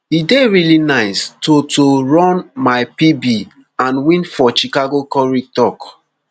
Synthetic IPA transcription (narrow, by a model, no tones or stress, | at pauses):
hideɹilinaɪstotoɹɔ̃nmaɪpibi | ãnwĩnfɔt͡ʃikaɡokɔɹitɔk